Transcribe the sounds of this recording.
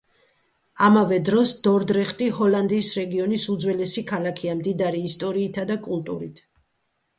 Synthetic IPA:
amavɛd̪ɾɔsd̪̥ɔɾd̪ɾɛχt̪ʼihɔland̪iːsɾɛɡiɔnisud̪zwɛlɛsikʰalakʰiamd̪id̪aɾiːst̪ʼɔɾiːt̪ʰad̪akʼult̪ʼṵɾit̪ʰ

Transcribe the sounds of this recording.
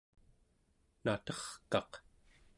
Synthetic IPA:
nat̪ʌχkɑq

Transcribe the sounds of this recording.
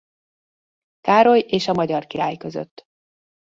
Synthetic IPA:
kaːɾo̞jeːʃɒmɒɟɒrkiɾaːjkø̞zø̰t̪ː

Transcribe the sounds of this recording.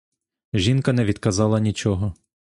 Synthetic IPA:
ʒʲinkɐnɛʋʲid̪kɐzɑlˠɐnʲit͡ʃɔɦɔ

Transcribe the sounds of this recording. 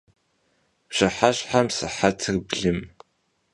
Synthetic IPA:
ɕɐħaɕħamsɨ̰ħatʰɨrbɮɨm

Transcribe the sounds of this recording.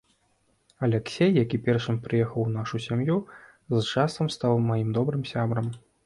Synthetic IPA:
ɐlʲɛksʲejːakʲipʲɛrʂɨmpɾɨjɛxɐwnaʂusʲamju | zt͡ʂasɐmst̪awmajimd̪ɔbɾɨmsʲabɾɐm

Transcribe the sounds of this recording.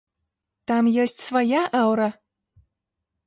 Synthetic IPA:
t̪amjɔsʲt͡sʲsvajaʔɛwɾɐ

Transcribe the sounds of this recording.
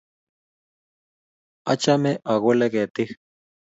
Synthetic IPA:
at͡ʃameʔaɣʷeleket̪ix

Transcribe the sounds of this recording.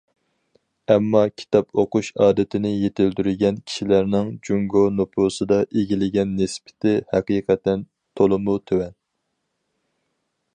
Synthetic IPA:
ɛmːɑkʲʰi̥t̪ʰɑpoquʃɑːd̪ɨt̪ʰɪnɪjet̪ʰɪld̪yɾɪɡʲɛnkʲʰi̥ʃilæɾnɪŋd͡ʒuŋɡonopʰuːsɨd̪ɑʔeɡʲilɪɡʲɛnːɪspʰɪ̥t̪ʰɪhæqiːqʰɛt̪ɛn | t̪ʰolˠɨmut̪ʰøwɛn

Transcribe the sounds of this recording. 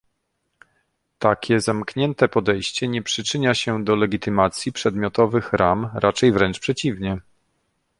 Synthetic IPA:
t̪akʲɛzamkɲɛnt̪ɛpɔd̪ɛjɕt͡ɕɛɲɛpʂɘt͡ʂɘɲaɕɛd̪ɔlɛɡʲit̪ɘmat̪sʲjipʂɛd̪mʲjɔt̪ɔvɘxɾamɾʔat͡ʂɛjvɾɛnt͡ʂpʂɛt͡ɕivɲɛ

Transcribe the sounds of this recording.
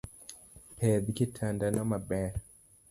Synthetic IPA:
pʰɛðikitʰandanamabɛɾ

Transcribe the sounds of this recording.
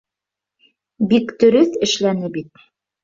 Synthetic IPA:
bikd̪ɵ̆ɾɵθɘ̆ʃlænɘbit̪̚

